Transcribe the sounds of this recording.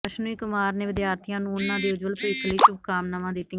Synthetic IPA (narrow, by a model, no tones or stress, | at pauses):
əʃnuiːkʊmaːɾneːʋɪd̪jaːɾt̪ʰijãːnũːʊnːãːd̪eːʊd͡ʒʋəlpiːkʰliːt͡ʃʊb̚kaːmnəmãːd̪ɪt̪ːi